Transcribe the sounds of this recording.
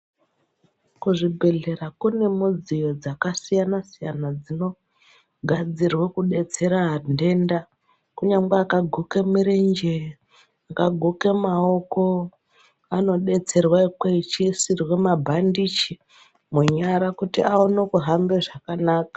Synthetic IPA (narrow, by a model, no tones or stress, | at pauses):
kuʐibʱe̞ɮe̞ɾakune̞mud͡zijo̞d͡zakasijanasijanad͡zino̞ | ɡʱad͡zirwekuɗe̞t͡se̞ɾaːnde̞nda | kuɲaŋɡeakaɡʱukemiɾend͡ʒe | akaɡʱukemao̞ko̞ | ano̞ɗe̞t͡se̞rwaikweit͡ʃiːsirwe̞mabʱandit͡ʃi | muɲaɾakutiaonokuɦambe̞ʐakanaːkḁ